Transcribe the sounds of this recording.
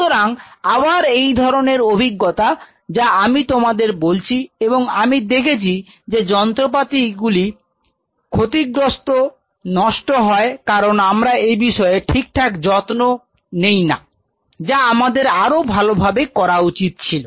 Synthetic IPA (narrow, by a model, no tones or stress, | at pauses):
oɾaŋaβaɾejd̪ʱɔɾoneɾobʱiɡːot̪a | d͡ʑaamit̪omad̪eɾbolt͡ɕʰieboŋamid̪ekʰet͡ɕʰi | d͡ʑed͡ʑɔnt̪ɾop̬at̪iɡuli | kʰot̪iɡɾost̪o | nɔʃʈoɦɔekaɾonamɾaejbiʃɔeʈʰik̚ʈʰakd͡ʑɔt̪no | nejna̰ | d͡ʑaamad̪eɾaɾobʱalobʱabekɔɾaut͡ɕit̪̚t͡ɕʰilo